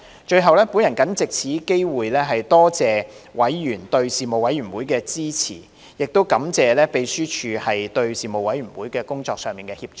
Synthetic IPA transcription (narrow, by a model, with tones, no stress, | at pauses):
t͡ʃɵ˧ɥɦɐ˨wlɛː˥puː˨˥njɐ˨˩nkɐ˨˥nt͡sɪ˨k̚t͡sʰiː˨˥ke˥jwuː˨jlɛː˥ɦɐ˨jt̪ɔː˥t͡sɛː˨wɐ˨˥jːyː˨˩nt̪ɵ˧ɥsiː˨mo˨wɐ˨˥jɥyː˨˩nwuː˨˥jkɛː˧t͡siː˥t͡sʰḭː˨˩ | jɪ˨k̚t̪o˥wkɐ˨˥mt͡sɛː˨˧lɛː˥pe˧jsyː˥t͡ʃʰyː˨˧hɐ˨jt̪ɵ˧ɥsiː˨mo˨wɐ˨˥jɥyː˨˩wuː˨˥jkɛː˧kʊ˥ŋt͡sɔː˧k̚sœː˨˧ŋmiː˨nkɛː˧hiː˧p̚t͡ʃ